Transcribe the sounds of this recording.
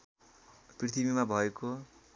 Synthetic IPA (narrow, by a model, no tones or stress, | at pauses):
prit̪ʰibimabʱʌeko